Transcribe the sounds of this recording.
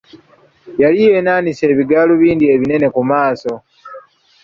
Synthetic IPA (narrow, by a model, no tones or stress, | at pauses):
jalije̞ːnaːnise̞ːβiɡaːluβiːndie̞βine̞ne̞kumaːso̞